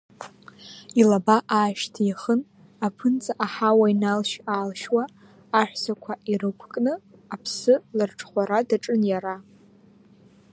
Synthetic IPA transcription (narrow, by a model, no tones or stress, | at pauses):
ilabaʔaːʃtʰjaχən | apʰɨnt͡sʼaʔaħawainalʃaːlʃwaː | ħᶣʷsakʷʰaʔirɨkʷʰkʼnɨapʰsɨlɨrʈ͡ʂʰʼχʷaɾadaʈ͡ʂʼɨnjaɾa